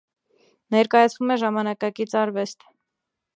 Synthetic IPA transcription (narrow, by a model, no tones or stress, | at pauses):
nɛɾkɑjɑt͡sʰvumɛʒɑmɑnɑkɑkit͡sʰɑɾvɛst̪